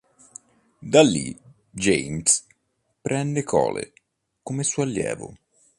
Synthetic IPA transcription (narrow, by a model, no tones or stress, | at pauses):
d̪alːi | d͡ʒejms | pɾɛnd̪ekʰɔːlḛ | komesuːalːjɛ̰ːvʊ̰